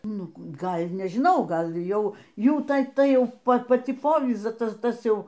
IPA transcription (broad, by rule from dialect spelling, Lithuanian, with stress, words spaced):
ˈnʊ ˈɡɐlʲ nʲɛʒʲˈɪnɐʊ ˈɡɐlʲ ˈjɛʊ ˈjuː ˈtɐ ˈtɐɪ ˈjɛʊ ˈpɐ pɐˈt͡sʲɪ ˈpoːʋʲiːzɐ ˈtɐs ˈtɐs ˈjɛʊ